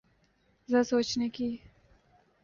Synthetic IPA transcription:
zəsot͡ʃnəki

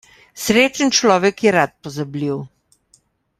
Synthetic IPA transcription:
sɾeːt͡ʃənt͡ʃlɔːʋɛkjɛɾat̪̚pɔzabliw

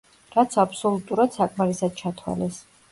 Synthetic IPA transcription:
ɾat̪sʰapʰsɔlˠut̪ʼuɾad̪̥sakʼmaɾisad̪̥̚t͡ʃʰat̪ʰwa̰lɛs

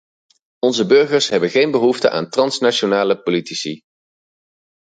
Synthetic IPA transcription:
ɔnzəbɵɹχəɹsɦɛbənχejnbəɦuftə̰ʔa̰ːntrɑnsnaʃonaːləpolitisi

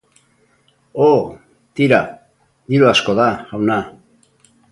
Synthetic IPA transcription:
o | t̪iɾa | d̪iɾuasko̞ðaɣawna

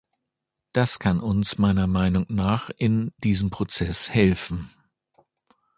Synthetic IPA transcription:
d̥askʰanʔʊnsmaɪnɐmaɪnʊŋnaːχɪndiːzəmpʁ̥ot͡sɛshɛlfn̩

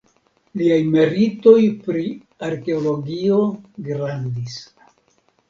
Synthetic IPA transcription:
liajme̞ɾito̞jpɾi | aɾke̞olo̞ɡio̞ɡɾandis

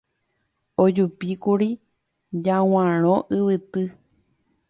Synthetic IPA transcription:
od͡ʒupikuɾi | d͡ʒãw̃ãɾ̃õʔɨʋɨt̪ɨ

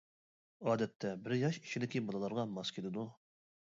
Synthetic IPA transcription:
ɑːd̪ɛt̪ʰːɛbɪɾjɑʃi̥ʃid̪ɪkʲibolˠɨlˠɑɾʁɑmɑskʲʰelɪd̪u

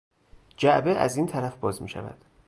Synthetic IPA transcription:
d͡ʒæʔbeʔæ̰ziːnt̪ʰæɾæfbɒːzmḭːʃæ̰væ̰d̪̥

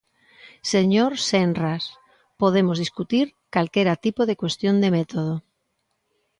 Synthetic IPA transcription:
seɲoɾsenras | poð̞emozðiskut̪iɾkalkeɾat̪ipoð̞ekwest̪jond̪emet̪oð̞o

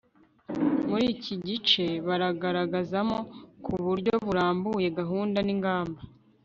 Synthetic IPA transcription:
muɾiːciɟit͡ʃe̞βaɾaɡaɾaɡazamo̞kʰuβuɾɟo̞βuɾaːmbuje̞ɡaɦuːndaniŋɡaːmba

